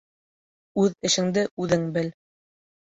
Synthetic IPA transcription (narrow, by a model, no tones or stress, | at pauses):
ʉðɘ̆ʃɘ̆ŋd̪ɘʔʉðɘŋbɘl